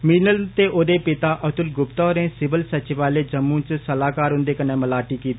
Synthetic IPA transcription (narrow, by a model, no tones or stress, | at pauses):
miːnəlt̪eːʔoːd̪eːpɪt̪aːʔət̪ʊlɡʊpt̪ɔːɾẽːsɪbəlsət͡ʃɪʋaːleːd͡ʒəmːũːt͡ʃsəlaːkaːɾɦʊ̃nd̪eːkənẽːməlaːʈiːkiːt̪iː